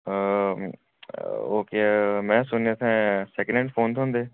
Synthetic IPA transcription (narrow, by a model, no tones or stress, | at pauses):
oːkemɛ̃ːsʊnet̪ʰɛ̃ːsɛːknẽɳʈfʰoːnt̪ɦːnd̪eː